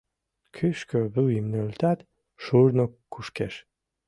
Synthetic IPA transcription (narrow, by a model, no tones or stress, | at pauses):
kʰyʃkøbuimnølt̪at̪ | ʃuɾnokːuʃkeʃ